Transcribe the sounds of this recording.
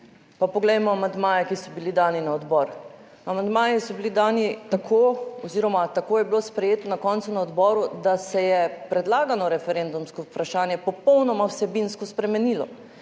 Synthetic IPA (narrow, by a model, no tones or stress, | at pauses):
papɔɡlɛjmɔamand̪maːjɛkisɔbilid̪aːninaɔd̪bɔːɾ | amand̪maːjisɔbilid̪aːnit̪akʰoɔziɾɔmat̪akoːjɛbiloːspɾɛjeːt̪ɔnakɔnt̪sunaɔd̪bɔːɾud̪asɛjɛpɾɛd̪laːɡanɔɾɛfɛɾɛnd̪umskɔwpɾaʃaːnjɛpɔpɔwnɔmawsɛbinskɔspɾɛmɛniːlɔ̰